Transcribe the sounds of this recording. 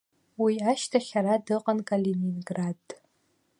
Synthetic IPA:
wiaʃtʰaχʲaɾadɨqʼankʼaleninɡrad

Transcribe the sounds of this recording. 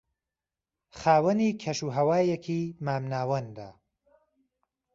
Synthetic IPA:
χaːwɐniːkʰɐʃuːɦɐwaːjekʰiːmaːmnaːwɐnd̪a̰ː

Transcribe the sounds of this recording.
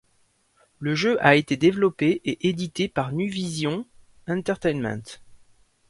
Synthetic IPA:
ləʒøʔaet̪ed̪evlɔpeʔeʔed̪it̪epaʁnyvizjɔ̃ | ɛ̃t̪ɛʁt̪ɛjnmɛ̰̃t̪

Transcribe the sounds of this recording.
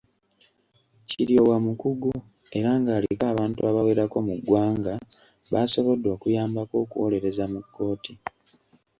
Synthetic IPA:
ciɾjo̞wamukuɡu | e̞ɾaːŋɡaːlikaːβaːntuaβawe̞ːɾako̞muɡwaːŋɡa | βaso̞βo̞dːwo̞ːkujaːmbako̞ːkuwole̞ɾe̞zamukʰːo̞ːti

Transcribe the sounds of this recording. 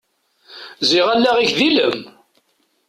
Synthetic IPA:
ziʁælːæʁiçðiləm

